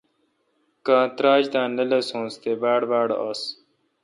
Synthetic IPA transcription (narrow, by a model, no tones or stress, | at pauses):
kãːt̪ɾaːd͡ʑd̪ãːnɐlesõːst̪ebaːɽbaːɽʔas